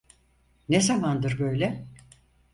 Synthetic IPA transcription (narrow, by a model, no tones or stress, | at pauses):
nezamand̪ɯɾbø̞jlʲɛ